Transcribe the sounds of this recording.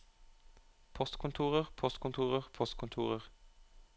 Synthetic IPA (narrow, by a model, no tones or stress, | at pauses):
pʰɔst̪kʰʊnt̪ʰuːʁəʁpʰɔst̪kʊnt̪ʰuːʁəʁpʰɔst̪kʰʊnt̪ʰṵːʁəʁ